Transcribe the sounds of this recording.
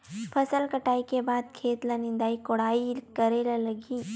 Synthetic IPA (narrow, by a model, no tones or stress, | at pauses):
pʰɐsəlkɐʈaːikebaːd̪̚kʰeːt̪lanĩnd̪aːikoɽaːikɐɾeːlalɐɡiː